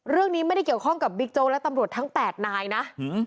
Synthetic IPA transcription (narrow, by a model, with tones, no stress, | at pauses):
ɾɯ˥˩əŋniː˦˥ma˥˩jda˥˩jki˨˩əwkʰɔ˥˩ŋka˨˩p̚bi˦˥k̚t͡ɕoː˧lɛ˦˥t̪a˧mɾu˨˩ət̪ʰa˦˥ŋpɛː˨˩t̪̚naː˧jna˦˥ʔ